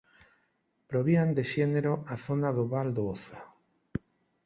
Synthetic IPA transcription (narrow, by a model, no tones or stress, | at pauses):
pɾoβiand̪eʃeneɾoaθonaðoβald̪ooθa